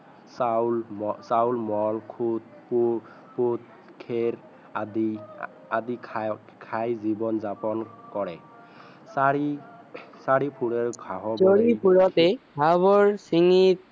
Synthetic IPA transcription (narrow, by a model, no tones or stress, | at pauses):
salsawlmɔlkʰut̚ | pu | put̚ | kʰeɹ | adi | adikʰ | kʰajzibɔnzapɔnkɔɹɛ | saɹi | saɹipʰuɹɛɹɡʱaɦɔsɔɹipʰuɹɔtɛɡabɔɹsiŋit̚